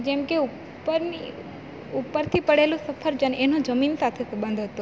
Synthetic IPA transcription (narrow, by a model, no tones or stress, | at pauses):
d͡ʒɛmkeu | pəɾni | upːəɾt̪ʰipəɽelõsəfʰəɾd͡ʒənenod͡ʒəminsat̪ʰesbə̃nd̪ʱɦət̪o